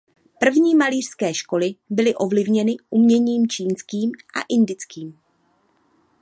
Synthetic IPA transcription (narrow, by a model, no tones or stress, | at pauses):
pr̩vɲiːmaliːr̝̥skɛːʃko̞lɪbɪlɪʔo̞vlɪvɲɛnɪʔumɲɛɲiːmt͡ʃiːnskiːmʔa̰ʔɪndɪt͡skiːm